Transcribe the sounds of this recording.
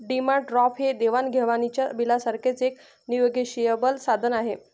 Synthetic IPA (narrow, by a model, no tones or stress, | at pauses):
ɖimaʈɾɔfɦed̪eʋanɡʱeʋanit͡ɕja̰bilasaɾkʰet͡sek | nijoɡeɕijəbəlsad̪ʱənaɦe